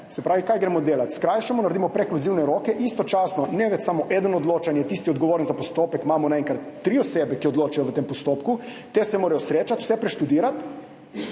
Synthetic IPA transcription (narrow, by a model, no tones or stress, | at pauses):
sɛpɾʔaːʋikaːjɡɾɛmɔd̪eːlat̪skɾaːjʃɛmɔnaɾd̪imɔpɾɛkluziwnɛɾoːkɛʔist̪ɔt͡ʃaːsnɔnɛʋɛt͡ʃsamoʔɛd̪ənɔd̪loːt͡ʃanjɛt̪iːst̪iod̪ɡoʋoːɾənzapost̪oːpɛkmaːmɔnaeŋkɾat̪ːɾiːɔseːbɛkiod̪loːt͡ʃajɔʋət̪eːmpɔst̪oːpku | t̪esɛmoːɾajɔsɾeːt͡ʃat̪u̥sɛpɾɛʃt̪ud̪iːɾat̪